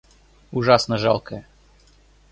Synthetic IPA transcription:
ʊʐasnəʐalˠkʰəjə

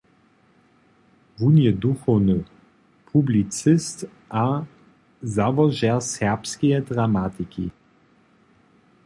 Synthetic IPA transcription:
vunjɛd̪uxɔwnə | pʰublit͡sɪst̪ | ʔa | zavɔʒɛʁsɛʁpskijɛd̪ʁamat̪ikḭ

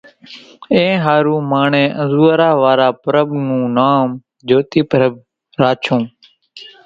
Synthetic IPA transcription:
ẽːɦaːɾũːmaːɳẽːʔəzuːɾaːʋaːɾaːpəɾəbnũːnaːm | d͡ʒoːt̪iːpəɾəb̚ | ɾaːt͡ʃʰõː

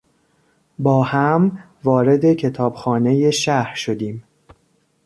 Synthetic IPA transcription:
bɒːhæm | vɒːɾe̞d̪e̞cʰe̞t̪ʰɒːbxɒːne̞je̞ʃæhɾʃo̞d̪iːm

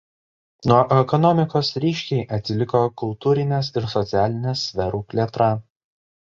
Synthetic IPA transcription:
nuɔʔɛkɔnɔmʲɪkoːsɾʲiːʃʲkʲɛɪʔɐt̪ʲsʲɪlʲɪkokʊlˠt̪uːɾʲɪnʲɛˑsɪɾsɔt̪sʲæːlʲɪnʲɛsʲʋʲɛɾuːpʲlʲiɛt̪ɾɑˑ

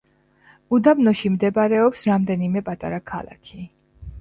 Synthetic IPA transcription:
ud̪abnɔʃimd̪ɛbaɾɛɔpsɾamd̪ɛnimɛpʼat̪ʼa̰ɾakʰa̰lˠa̰kʰi

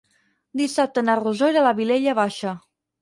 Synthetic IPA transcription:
d̪isap̚t̪ənaruzojɾalaβileʎaβaʃə

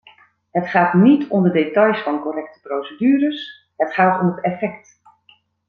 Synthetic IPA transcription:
ɦətχaːtnitʰɔmdədetɑjsfɑnkɔrɛktə̥prowsədyːɾəs | ɦətχaːtɔ̰mɦətɛfɛkt

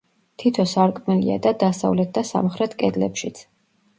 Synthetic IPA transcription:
t̪ʰit̪ʰɔsaɾkʼmɛlia̰d̪ad̪asa̰vlɛt̪̚ʰd̪asa̰mχɾɛt̪ʰkʼɛd̪lɛ̰pʃit̪sʰ

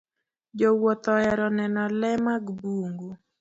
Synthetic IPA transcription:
d͡ʒowɔt̪ɔɛɾɔnɛnɔlɛmaɡbuŋɡu

